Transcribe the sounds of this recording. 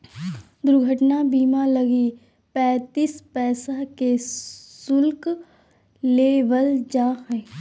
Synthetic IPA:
d̪ʊɾɡʱəʈnabiːmalɐɡi | pɛːt̪iːspɛːsakesʊlk | leːʋəld͡ʒaːhɛ

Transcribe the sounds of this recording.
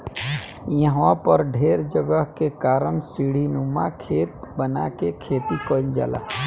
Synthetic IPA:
jəɦãpəɾɖʱeɾd͡ʒəɡəɦkekaɾənsiɽ̤inuma̰kʰet̪bəna̰kekʰet̪ikəld͡ʒa̰la̰

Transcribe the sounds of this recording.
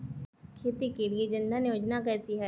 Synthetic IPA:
kʰeːt̪ikelied͡ʒɐ̃nd̪aneoːd͡ʒnakɛːsiɦɛː

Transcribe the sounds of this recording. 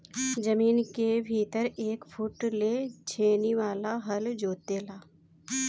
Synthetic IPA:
d͡ʒɐmiːnkebʱiːt̪əɾeːkfʰʊʈlet͡ʃʰeːniʋaːlaɦɐld͡ʒoːt̪eːlaː

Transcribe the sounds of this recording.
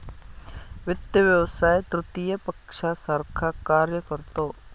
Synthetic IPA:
ʋɪt̪jəʋjəʋsaːjt̪ɾʊt̪ijəpɐkʃasəɾkʰakaːɾjəkəɾt̪oː

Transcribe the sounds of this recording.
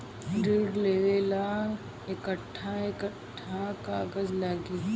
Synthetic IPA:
ɖiɽleʋelaːŋ | ɪkəʈʰːaekəʈʰːakaːɡəd͡ʒlaːɡiː

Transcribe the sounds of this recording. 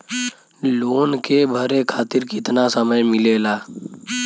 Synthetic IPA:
loːnkebʱəɾekʰaːt̪ɪɾkɪt̪nasəməjmɪleːlaː

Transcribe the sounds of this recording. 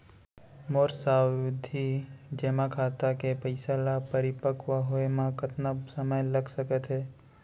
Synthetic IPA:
moːɾsaɪd̪ʱid͡ʒeːmãkʰaːt̪akepəɪsalapəɾɪpəkʋaɦoemãkət̪nasəməjləɡsəkət̪ɦɛː

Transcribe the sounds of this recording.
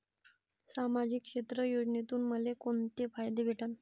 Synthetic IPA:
samad͡ʑikːʂet̪ɾəjod͡ʑnet̪uːnməlekoɳt̪efajd̪ebʱeʈan

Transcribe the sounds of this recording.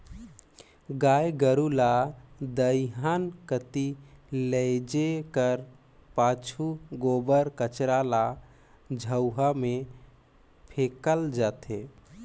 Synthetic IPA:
ɡajɡəɾulad̪əjɦankət̪iləd͡ʒekəɾ | pat͡ʃʰuɡobəɾkət͡ʃɾala | d͡ʒʱəʊɦame | pʰekəld͡ʒat̪e

